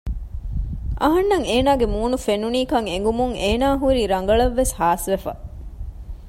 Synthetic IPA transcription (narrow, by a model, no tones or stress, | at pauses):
ʔɐɦɐnːɐŋeːnaːɡemuːnufenuniːkɐŋeŋɡumuŋeːnaːɦuɾiːɾɐŋ̆ɡɐɭɐʋːeshaːsʋefɐ̰